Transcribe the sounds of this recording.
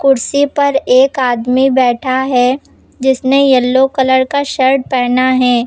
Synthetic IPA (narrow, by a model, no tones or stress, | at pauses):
kʊɾsipɐɾeːkaːd̪mibɛːʈʰaɦɛ | d͡ʒɪsnejɐlːokɐləɾkaʃɐɾɖ̚pɛːnaɦɛ̃ː